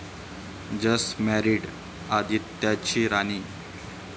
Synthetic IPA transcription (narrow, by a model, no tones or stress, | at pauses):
d͡ʑəsmæɾiɽ | ad̪ʱit̪ːjat͡ɕiːɾañiː